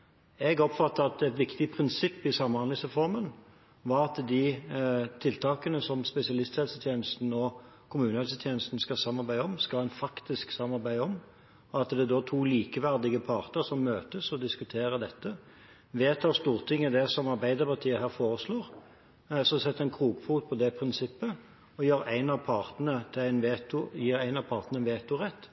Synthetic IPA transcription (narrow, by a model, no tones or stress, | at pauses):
ɛɡɔpfɑt̪ːəɑt̪ɛt̪ʋɪkt̪ɪpʰʁɪnsɪpːɪsɑmːhɑnlɪŋsʁɛfɔʁmən | ʋɑɾɑt̪d̪ɪ | t̪ʰɪlt̪ʰɑːkənəsɔmspɛsɪɑlɪst̪hɛlsət̪ʰjeːnəst̪n̩ɔ | kʰʊmʉːnəhɛlsət̪ʰjeːnəst̪n̩skɑsɑmːɑɾbæɪəɔmskɑlæɪnfɑkt̪ɪsksɑmːɑɾbæɪɔm | ɔɑt̪d̪ɛd̪ɔːt̪ʰuːliːkəʋæʁd̪ɪɡəpʰɑːʁt̪əɾsɔmːøːt̪əsɔd̪ɪskʉt̪ʰeːɾəd̪ɛt̪ːə | ʋeːt̪ʰɑːɾst̪uːʁt̪ʰɪŋːəd̪ɛsɔmɑɾbæɪd̪əɾpɑʁt̪ʰiːəɦæːɾfoːʁəsloːʁ | sɔsɛt̪ːəɛɪnkʰʁuːɡfuːt̪̚pʰɔd̪ɛpʰɾɪnsɪpːə | ɔjøːɾæɪnɑʋpʰɑːʁt̪ənət̪ʰæɪnʋeːt̪ʊjiːɾæɪnɑʋpʰɑːɾt̪nəəʋeːt̪ʊʁɛt̪ː